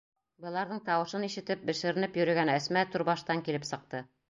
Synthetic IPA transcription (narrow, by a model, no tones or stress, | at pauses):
bɤ̆lˠɑɾðɤɴt̪ɑwɤ̆ʃɤniʃɘ̆t̪ɘp̚bɘ̆ʃɘ̆ɾɘ̆nɘpjɵ̆ɾɘ̆ɡænæsmæt̪uɾbɑʃt̪ɑŋkilɘpsɤ̆q̚t̪ɤ